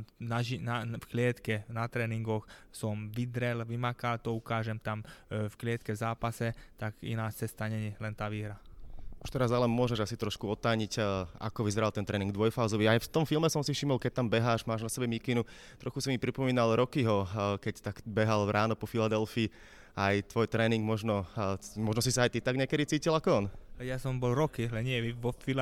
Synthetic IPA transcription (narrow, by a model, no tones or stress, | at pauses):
naʒinafklɪɛt̪kɛnat̪ɾɛːniŋɡɔxsɔmʋid̪ɾɛlʋimakalt̪ɔukaːʒɛmt̪amfklɪɛt̪kɛzaːpasɛt̪aɡḭnaːt͡sɛst̪aɲɛɲɛlɛnt̪aːʋiːɦɾau̥ʃt̪ɛɾazalɛnmʊɔʒɛʒasit̪ɾɔʃkuɔt̪ːaːɲica̰kɔʋizɛɾalt̪ɛnt̪ɾɛːniŋɡd̪ʋɔjfaʊzɔʋiajft̪ɔmfilmɛsɔmsifʃimɔlkɛc̚t̪ambɛɦaːʃmaːʒnasɛbɛmikinu | t̪ɾɔxusimipɾipɔmiːnalɾɔkiɦɔkɛct̪aɡbɛɦalɾʔaːnɔpɔfilad̪ɛlfiː | ajt̪ʋɔjt̪ɾɛːniŋɡmɔʒnɔmɔʒnɔs̬isaːjt̪it̪aɡɲɛakɛd̪it͡siːcilakɔɔnlɛjasɔmbɔlɾɔkilɛɲɪɛʋiʋɔfila